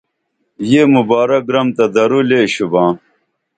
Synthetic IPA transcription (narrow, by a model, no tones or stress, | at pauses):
jeːmubaːɾɐk̚ɡɾɐmt̪ɐd̪ɐɾuleːɕubãː